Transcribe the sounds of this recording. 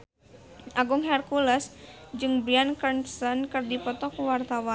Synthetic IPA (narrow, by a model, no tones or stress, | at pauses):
ʔaɡuŋɦɛrkulɛsd͡ʒɨŋbɾiankərnsənkɨrdipɔt̪ɔkuwart̪awan